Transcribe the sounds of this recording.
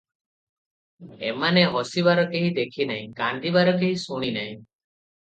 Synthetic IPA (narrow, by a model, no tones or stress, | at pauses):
ḛmaneɦɔsiβaɾɔkeɦid̪ekʰinaĩkand̪ibaɾɔkeɦĩsuɽ̃inaĩ